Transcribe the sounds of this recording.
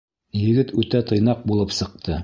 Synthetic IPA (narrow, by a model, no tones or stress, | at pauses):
jɘ̆ɡɘt̪ʉt̪æt̪ɤ̆jnɑq̚bulˠɤpsɤ̆q̚t̪ʰɤ